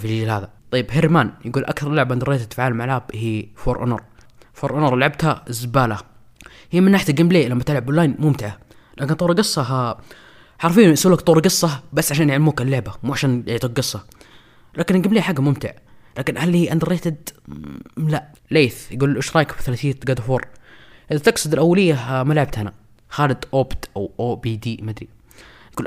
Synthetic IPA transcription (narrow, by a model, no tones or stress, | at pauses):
filːd͡ʒlhaːðat̪ˤɑjːɪbɦɪɾmaːnjɡuːlʔa̰kθɑɾˤlʊʕabʔand̪ɾˤeːt̪ɪd̪fʕaːlmaʕlʕaːbhiːfoːɾʔʊ̰nʊ̰ɾˤfoːɾˤʔʊnoɾˤlʕab̚t̪hazɪbaːla | hiːmɪnːaːħɪt̪aɡɪmleːlamːat̪ɪlʕabʊlːaːjnmʊmt̪ɪʕa | laːkɪnt̪ˤuːɾˤɡɨsˤːɑa | ħɑɾˤfiːsuːlakt̪ˤuːɾˤɡɨsˤːɑbasːʕaʃaːnjɪʕlamuːkalːɪʕbamuːʕaʃaːnjɪʕt̪ˤuk̚ɡɨsˤːɑ | laːkɪnɡɪmleːħaɡːamʊmt̪ɪ̰ʕ | laːkɪnʔhalːihʔnd̪ɑɾˤeːt̪ɪd̪ | laʔ | leːθjɡuːlʔɪʃɾˤɑːkfθalaθiːɡad̪afoːɾˤʔɪðat̪ɪɡsʊd̪ɪlʔawːalɪjːamalʕab̚t̪hana | xaːlɪd̪ʔobt̪ʔawʔoːbiːd̪iːmad̪ɾi | nɡuːl